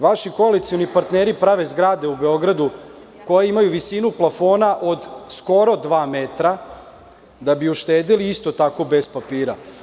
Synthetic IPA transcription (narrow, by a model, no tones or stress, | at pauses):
ʋaʃiko̞alit̪sijo̞nipaɾt̪neːɾipɾaʋe̞zɡɾaːd̪e̞ube̞o̞ɡɾad̪u | ko̞jeimajuʋisinuplˠafo̞ːnaʔo̞d̪sko̞ɾo̞d̪ʋaːmet̪ɾa | d̪abiuʃt̪e̞ːd̪iliist̪o̞t̪ako̞be̞spapiːɾa